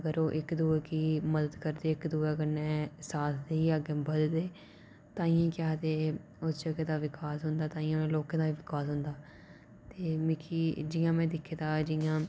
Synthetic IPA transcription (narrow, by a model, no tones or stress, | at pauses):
əɡəɾoːʔɪkd̪uːeːkiːməd̪əd̪kəɾd̪eːɪkd̪uːeːəɡəɾnɛ̃ːsaːt̪ʰd̪eːiːəɡebəd̪d̪eː | t̪ãːiːãːkɪaːt̪eː | ost͡ʃəɡeːd̪aːʋɪkaːsɦʊnd̪aːt̪ãːiːãːnẽːloːkẽːd̪aːiːʋɪkaːsɦʊnd̪aː | t̪eːmɪkʰiːd͡ʒɪjãːmɛ̃ːd̪ɪkʰːeːt̪aːd͡ʒɪjãː